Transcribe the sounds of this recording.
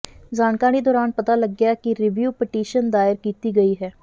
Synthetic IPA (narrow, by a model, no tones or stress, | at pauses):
zaːnkãːñiːd̪ɔːɾaːnpət̪aːləɡjaːkɪɾɪʋjuːpɪʈiːʃənd̪aːɪɾkiːt̪iːɡəiːɦɛː